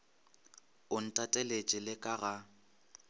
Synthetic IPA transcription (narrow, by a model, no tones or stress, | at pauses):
ʊn̩tʼatʼɛlet͡ʃʼɪlɪkʼaɣa